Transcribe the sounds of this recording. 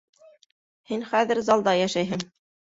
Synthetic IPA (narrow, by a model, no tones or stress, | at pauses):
hinχæðɘ̆ɾzɑlˠd̪ɑjæʃæjɦɘŋ